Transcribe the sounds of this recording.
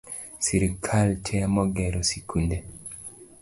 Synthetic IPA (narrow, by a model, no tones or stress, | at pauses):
siɾikʰaltʰɛamɔɡɛɾɔsikʰunde